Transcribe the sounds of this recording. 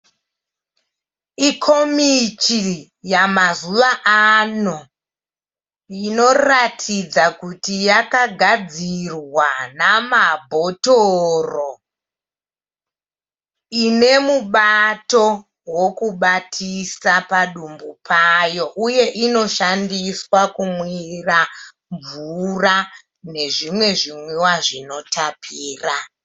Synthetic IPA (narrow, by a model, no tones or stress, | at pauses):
ikʰo̞mit͡ʃi | jamazuʋaʔano | ino̞ratʰid͡zakutijakaɡʱad͡zirwanamabʱo̞toro | ine̞muɓato̞ | wo̞kuɓatʰisapaɗumbupʰajo̞ʔuje̞ʔino̞ʃandiswakumwira | ɱvura | ne̞ʐimwe̞ʐimwiwaʐino̞tʰapʰiːra